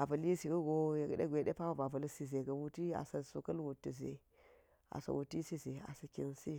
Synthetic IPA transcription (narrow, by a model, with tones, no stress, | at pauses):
a˨vɐ˨li˦si˨ɡu˦ɡo˦je˨ɡ̰ɗe˦ɡʷe˨ɗe˦pa˦wa˦ba˨va˨lsi˦ze˨ɡa˨wu˦ti˦a̰˨sɐ˨su˨kɐ˦lwu˨tːi˨zḛ˨ | a̰˨sa̰˨wʔu˨ti˦si˦ze˨a̰˨sɐ˨kʲi˦nsi˦